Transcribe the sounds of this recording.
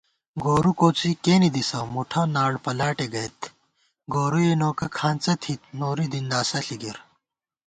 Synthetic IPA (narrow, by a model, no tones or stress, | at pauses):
ɡoːɾukoːt͡sikeːnid̪isɐmuʈʰɐ̃naːɽpɐlaːʈeɡɐjt̪ | ɡoːɾujenoːkɐkʰaːnt͡sɐt̪ʰit̪noːɾid̪ind̪aːsɐɬiɡiɾ